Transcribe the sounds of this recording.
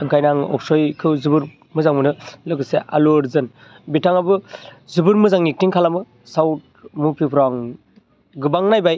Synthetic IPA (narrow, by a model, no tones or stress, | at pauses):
ɯŋkʰajnaŋɔ̰wsojkʰɯwzɯbɯɾ | mɯzaŋmɯnɯlɯkɯseʔa̰loɾzɯn | bitaŋabɯzɯbɯɾmɯzaŋnik̚tiŋkʰalamɯ | sawt̚ | mupʰipʰɾaŋ | ɡɯbaŋnajbaj